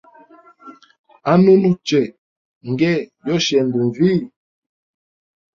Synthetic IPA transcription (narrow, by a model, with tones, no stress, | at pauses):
a˦nu˦nu˦t͡ʃɛ˨ | ŋ˨ɡɛ˦˨jɔ˦ʃɛ˨ndu˨ɱ˨vi˦˨